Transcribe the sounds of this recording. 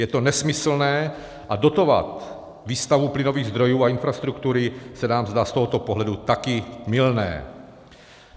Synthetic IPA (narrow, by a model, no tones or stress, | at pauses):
jɛt̪o̞nɛsmɪsl̩nɛː | ʔado̞t̪o̞va̰t̪ | viːst̪avuplɪno̞viːɣzd̪ɾo̞juːaɪnfɾast̪ɾukt̪uɾɪsɛnaːmzd̪aːst̪o̞ɦot̪opoɦlɛdut̪akɪmɪlnɛ̰ː